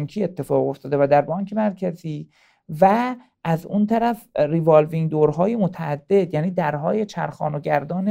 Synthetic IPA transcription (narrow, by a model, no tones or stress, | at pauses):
ŋcʰiːe̞t̪ʰːe̞fɒːɣo̞ft̪ɒːd̪evæd̪æɾbɒːŋcʰe̞mæɾcʰæziː | væ | ʔæzunt̪ʰæɾæfrivɑlviŋd̪oːɾɦɒːjemot̪ʰææd̪ːe̞d̪̥jæːniːd̪æɾɦɒːjet͡ʃʰæɾxɒ̰ːnoɟæɾd̪ɒːne